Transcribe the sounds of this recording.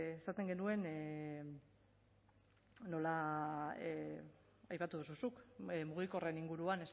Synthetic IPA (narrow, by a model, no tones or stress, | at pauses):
esat̪e̞ŋɡe̞nue̞n | no̞la | ajpat̪uð̞ususukmuɣ̞iko̞re̞niŋɡuɾuane̞s